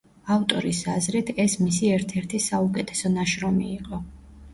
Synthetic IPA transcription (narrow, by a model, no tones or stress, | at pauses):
aft̪ʼɔɾisazɾɛt̪ʰɛsmisiɛɾt̪ʰɛɾt̪ʰisaukʼɛt̪ʰɛ̥sɔnaʃɾɔmiːqʼɔ